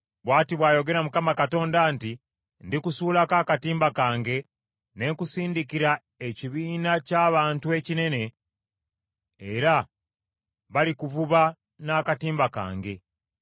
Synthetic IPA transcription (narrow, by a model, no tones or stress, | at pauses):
βwaːtiβwaːjo̞ɡe̞ɾamukamakato̞ːndanti | ndikusuːlakaːkatiːmbakaːŋɡe̞ | ne̞ŋkusiːndikiɾa | e̞ciβiːnacaːβaːntue̞cine̞ne̞ | ɾa | βalikuvuβa | naːkatiːmbaka̰ːŋɡe̞